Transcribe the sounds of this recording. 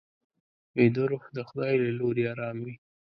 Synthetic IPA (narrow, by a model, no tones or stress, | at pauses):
ed̪ʊɾoxd̪əxʊd̪ɑjlaloɾeɑɾɑmwi